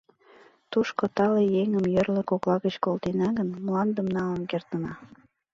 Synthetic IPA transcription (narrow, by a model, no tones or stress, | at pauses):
t̪uʃkot̪ɑlejeŋə̆mjə̆rlə̆koklˠɑɣə̆t͡ɕkolt̪enɑɣənmlˠɑnd̪ə̆mnɑlə̆nkert̪ə̆nɑ